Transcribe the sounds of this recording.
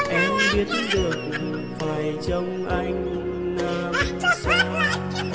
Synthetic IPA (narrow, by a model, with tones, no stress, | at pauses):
ʔɛ˧˥mvi˧˥ət̚nɗɨ˨˩ək̚ɗɨ˨˩faː˨˩jt͡ɕɔ˧wŋ͡mʔa˧jŋ̟ | naː˧msaː˧˦˧